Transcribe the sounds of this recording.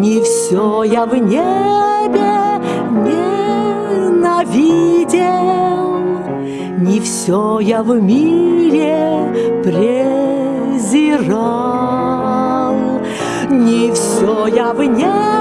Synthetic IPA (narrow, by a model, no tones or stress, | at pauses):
nʲɪfsʲojavnʲebʲe | nʲe | nɐvʲidʲelˠ | nʲɪfsʲojavmʲiɾʲepɾʲe | zʲɪrɑ | lˠ | nʲɪfsʲojavnʲe